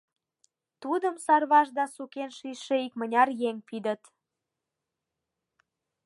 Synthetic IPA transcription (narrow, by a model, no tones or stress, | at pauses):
t̪ud̪əmsɑrβɑʒd̪ɑsukenʃiʃeikmənʲɑrjeŋʲpid̪ə̆t̪